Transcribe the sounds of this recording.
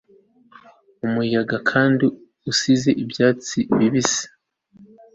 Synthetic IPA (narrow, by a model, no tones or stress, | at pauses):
umuijaɡakʰaːndi | usize̞ʔibjaːt͡siβiβise̥